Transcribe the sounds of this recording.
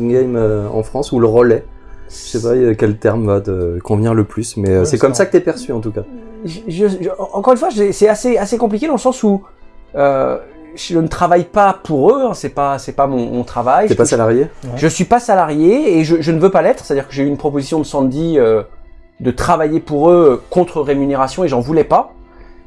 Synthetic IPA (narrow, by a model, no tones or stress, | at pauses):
ɡajmøɑ̰̃fχɑ̃suləʁəlɛ | ʒəsɛpakʲɛlt̪ɛʁmvad̪əkɔ̃vniʁləplysmɛøsɛkɔmsakət̪yɛpɛʁsyɑ̃t̪ukaʒʒəʔɑ̃kɔʁynfwaʒɛsɛaseasekɔ̃p̬likʲed̪ɑ̃ləsɑ̃su | ø | ʒʒənət̪χavajpapuʁøɛ̃sɛpasɛpamɔ̃mɔ̃t̪χavajsɛpasalaʁjeʒəsɥipasalaʁjeːʒəʒənəvøpalɛt̪χsɛt̪ad̪iʁkəʒeynpχɔpozisjɔ̃d̪əsɑ̃d̪iø | d̪ət̪χavajepuʁøkɔ̃t̪χəʁemyneʁasjɔ̃eʒɑ̃vulɛpa